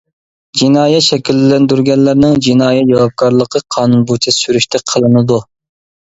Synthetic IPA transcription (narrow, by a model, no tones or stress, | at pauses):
d͡ʒinɑːjɛt̪ʃɛkʲilːɛnd̪yɾɡʲɛɾlæɾnɪŋd͡ʒinɑːjɛt̪d͡ʒɑwɑp̚kʰɑɾlˠəqʰəqʰɑːnunbot͡ʃʰɛsyɾyʃt̪ʰɛqʰəlˠɨnɨd̪u